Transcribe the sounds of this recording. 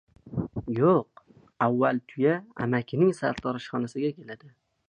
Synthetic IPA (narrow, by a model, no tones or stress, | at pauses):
joq | avːalt̪ʰʊjaa̰makʲʰɪnɪŋsaɾt̪ʰɒɾɪʃχɒnasɪɡʲakʲʰe̞lad̪ɪ